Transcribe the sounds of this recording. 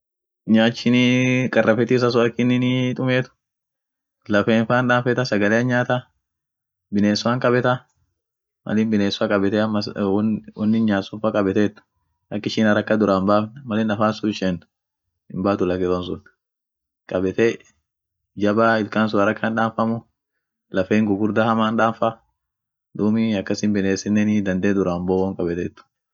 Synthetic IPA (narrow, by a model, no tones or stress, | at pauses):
ɲaːt͡ʃːɪnikʼɐrːɐfɛt̪ɪːs̬ɐs̬ʊɐkːɪnːɪnit̪ʼʊmeːt̪ʊ̥ | lɐfeːɱfaːnᶑaːfɛt̪ɐsɐɡɐleːɐɲaːt̪ɐ | bɪneːsʊwaŋkʼɐbɛt̪ɐ | mɐ̰liːmbɪneːsʊakʼɐbɛt̪ɛɐmːɐswɐnːɪɲaːsʊɱfakʼɐbɛt̪et̪ːʊ̥ | ʔɐkːɪʃɪnɐɾɐkːɐd̪ʊɾaːmbaːfnmɐlɪnɐfaːsʊɪʃɛn | ɪmbaːt̪ʊlɐkːɪt̪onsʊn | kʼɐbɛt̪e | d͡ʒɐbaːɪlkaːns̬ʊɐɾɐkːanᶑaːɱfɐmʊ | lɐfeːŋɡʊɡʊɾd̪ahɐmaːnᶑaːɱfɐ | d̪uːmɪɐkːɐsɪmbɪneːsɪnːɛnɪd̪ɐnd̪eːd̪ʊɾaːmbowɔŋkʼɐbɛt̪eːt̪ːʊ̥